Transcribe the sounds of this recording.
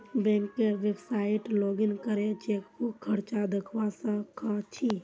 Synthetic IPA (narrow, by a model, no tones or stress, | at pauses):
bɛ̃ːŋkːeɾʋeksaːɪʈloːɡɪnkəɾet͡ʃeːkːokʰəɾt͡ʃad̪əkʰʋasakʰãt͡ʃʰi